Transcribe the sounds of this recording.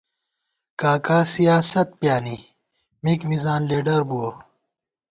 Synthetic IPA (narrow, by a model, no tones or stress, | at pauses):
kaːkaːsijaːsɐt̪̚pjaːni | mikmizaːnleːɖɐɾbuo